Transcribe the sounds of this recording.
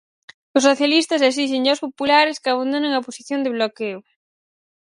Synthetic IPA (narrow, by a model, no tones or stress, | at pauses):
ʊsːoθjalist̪ɐses̬iʃ̬eɲawspopulaɾɪskɪaβand̪onẽŋɐposiθjond̪ɪβlokew